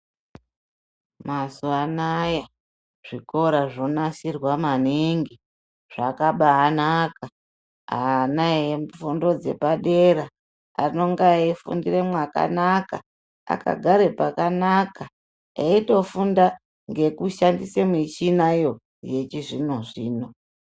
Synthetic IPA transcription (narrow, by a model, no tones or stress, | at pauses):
masuanaja | ʐ̥iko̞ɾaʐo̞nasirwamaniŋɡi | ʐ̥akaɓaːnaːka | a̰naeɱfundo̞d͡ze̞̰paɗeɾa | a̰no̞ŋɡaifṵndiremwaka̰naka̰ | a̰ka̰ɡʱaɾepakanaka | aito̞funda | ŋɡe̞kuʃandisemit͡ʃinajo̞ | je̞t͡ʃiʐino̞ʐiːno̞